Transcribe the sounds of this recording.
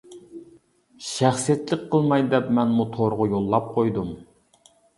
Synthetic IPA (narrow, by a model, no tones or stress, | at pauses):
ʃæχsijet̪lɪkqʰːəlˠmɑjd̪ɛpmɛnmut̪ʰoɾʁʊjolˠːɑp̚qʰojd̪um